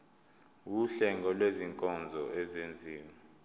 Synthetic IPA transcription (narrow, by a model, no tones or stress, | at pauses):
wuɬɛŋɡʱɔlweziŋkʼɔnd͡zʱɔɛzend͡zʱiːma